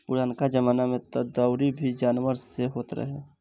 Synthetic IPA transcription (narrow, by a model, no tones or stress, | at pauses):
pʊɽaːnkad͡ʒɐmaːnamẽt̪əd̪aːʊɾibʱid͡ʒaːnʋəɾseɦoːt̪ɾə̰ɦḛ